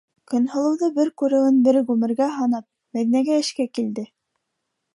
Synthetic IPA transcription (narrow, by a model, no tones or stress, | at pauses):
kɵ̆nhɤ̆lˠɤ̆wðɤbɘɾkʉɾɘ̆ɘnbɘɾɣʉmɘ̆ɾɡæɦɑnɑp̚ | mæðinæɡæɘ̆ʃkækild̪ɘ